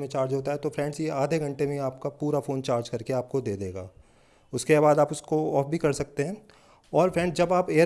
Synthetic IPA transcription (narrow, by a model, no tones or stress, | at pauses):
mẽt͡ʃaːɾd͡ʒɦoːt̪aɦɛt̪ofɾɛ̃ːɳɖsjeaːd̪ʱeɡʱɐ̃ɳʈemẽaːp̚kapuːɾafoːnt͡ʃaːɾd͡ʒkɐɾkeaːp̚kod̪eːd̪eːɡa̰ː | ʊskebaːd̪aːpʊskoɔːfbʱikɐɾsɐk̚t̪eɦɛ̃ː | ɔːɾfɾɛ̃ːɳɖsd͡ʒɐbaːpeːə